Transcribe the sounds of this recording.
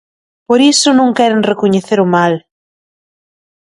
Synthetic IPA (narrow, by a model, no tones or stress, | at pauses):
poɾisʊnũŋkɛɾeŋrekoɲeθeɾʊmal